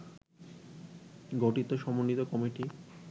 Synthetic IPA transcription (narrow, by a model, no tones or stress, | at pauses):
ɡɔʈit̪oʃɔmonːit̪okɔmiʈi